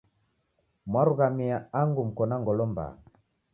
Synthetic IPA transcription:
mwaɾuɣamiaaŋɡum̩kɔnaŋɡɔlɔmba̰

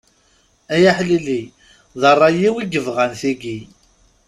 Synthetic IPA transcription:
æjaħlili | ðərˤːɑjiwiɡəvʁənθiɡi

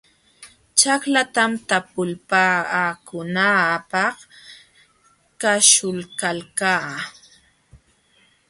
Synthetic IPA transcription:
t͡ʃaklat̪amt̪apʊlpaːkʊnapɑq | kaʃʊlkalkaː

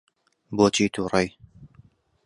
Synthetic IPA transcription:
boːt͡ʃʰiːt̪ʰuːrej

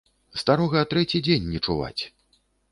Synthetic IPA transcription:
st̪aɾɔɣɐːt̪ɾɛt͡sʲid͡zʲenʲːɛt͡ʂuva̰t͡sʲ

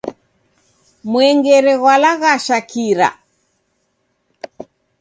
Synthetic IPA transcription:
mwɛŋɡɛɾɛɣwalaɣaʃakiɾa̰

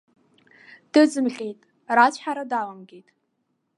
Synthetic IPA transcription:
d̥ɨzɨmɬʲʼejtʼ | raːt͡ɕʰʼħaɾadaːlamɡʲejtʼ

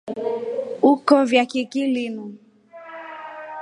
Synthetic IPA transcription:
ukɔvjakikilimu

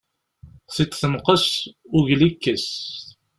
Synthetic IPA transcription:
sit̪θəmqəs | ʊʝlikːəs

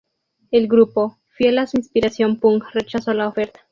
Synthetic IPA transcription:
e̞lɡɾupo̞ | fjelasuinspiɾasjo̞mpuŋre̞t͡ʃaso̞laofe̞ɾt̪ḁ

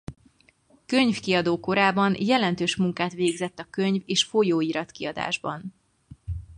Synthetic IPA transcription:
køɲfkiɒd̪oːko̞ɾaːbɒnjɛlɛnt̪øːʃmuŋkaːt̪ʋeːɡzɛt̪ːɒkø̞ɲveːʃfo̞joːiːɾɒt̪kiɒd̪a̰ːʒbɒ̰n

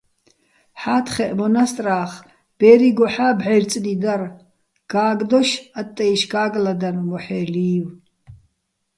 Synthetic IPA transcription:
ħaːt̪ʰχɛʔmɔnast̪ʼraːχ | b̥ɛːɾiɡɔħaːbʕɛrt͡sʼnid̪ar | ɡ̥aːɡd̪ɔʃat̪ʼːɛjʃɡaːɡlad̪anmɔħɛːliːw

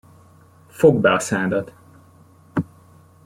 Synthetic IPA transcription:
foɡbɛɒsaːd̪ɒt̪

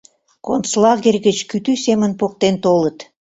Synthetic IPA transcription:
kont͡slɑɣerʲɣət͡ɕkyt̪ysemənpok̚t̪ent̪olət̪

